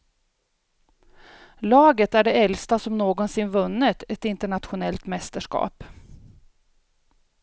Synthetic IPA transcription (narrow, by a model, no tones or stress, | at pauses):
lɑːɡət̪æɖɛɛlst̪asɔmnoːɡɔnsɪnvɵnːət̪ʰɛt̪ɪnt̪əɳat̪ɧʊnɛlt̪mɛst̪əʂkɑ̰ːp